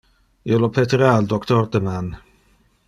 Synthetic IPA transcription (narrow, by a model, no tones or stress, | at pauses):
ɪlɔpʰɛtʰraldɔktʰɔrdəman